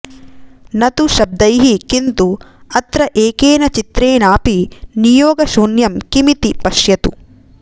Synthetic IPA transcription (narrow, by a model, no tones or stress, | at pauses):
nɐt̪uʃɐb̚d̪ɐjɦikint̪u | ɐt̪ɾɐʔeːkeːnɐt͡ʃit̪ɾeːɳaːpinijoːɡɐʃuːnjɐmkimit̪ipɐʃjɐt̪u